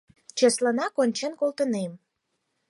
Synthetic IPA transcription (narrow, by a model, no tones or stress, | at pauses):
t͡ɕəslənɑkonʲt͡ɕenkolt̪ənem